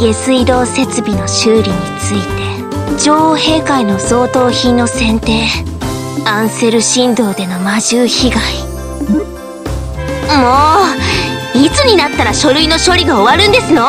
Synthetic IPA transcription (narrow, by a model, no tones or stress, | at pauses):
ɡe̞sɨid̪o̞ːse̞t͡sɨbʲino̞ɕɨːɾʲiɲ̟it͡sɨit̪e̞ | d͡ʑo̞ːohe̞ːkaino̞zo̞ːt̪o̞ːçĩnːo̞sẽ̞nt̪e̞ː | ãɰ̃se̞ɾɯ̟ɕĩnd̪o̞ːd̪e̞no̞maʑɨːçiɡai | moː | it͡sɨɲ̟inat̪ːaɾaɕo̞ɾɯ̟ino̞ɕo̞ɾʲiɡaoβaɾɯ̟̃nd̪e̞sɨno̞